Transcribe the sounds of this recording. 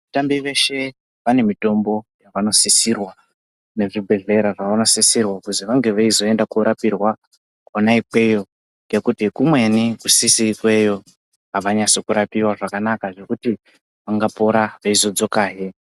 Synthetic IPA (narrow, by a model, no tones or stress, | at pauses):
atambiʋe̞ʃe̞ | ʋane̞mito̞mbo̞jaʋano̞sisirwa | ne̞ʐibʱe̞ɮe̞ɾaʐaʋano̞sisirwakuziʋaŋɡe̞ʋaizo̞e̞ndakuɾapirwa | konaikwe̞jo̞ | ŋɡe̞kutikumwe̞nikusisikwe̞jo̞ | ɦaʋaɲasokuɾapiwaʐakanakaʐe̞kuti | ʋaŋɡapo̞ɾaʋeizo̞d͡zo̞kaːɦe